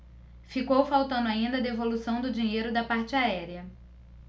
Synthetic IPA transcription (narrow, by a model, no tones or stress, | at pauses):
fikowfawt̪ɐ̃nd̪ʊaĩnd̪ɐd̪evolusɐ̃w̃d̪ʊd͡ʒĩɲejɾʊd̪ɐpaɾt͡ʃɪaɛɾiɐ